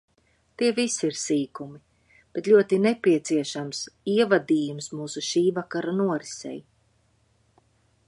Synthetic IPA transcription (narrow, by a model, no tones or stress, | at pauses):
t̪iɛvisiiɾsiːkumi | b̥et̪lʲuɔt̪inepiɛt̪siɛʃamsiɛvad̪iːjumsmuːsuʃiːvakaɾanuɔɾisɛ̰j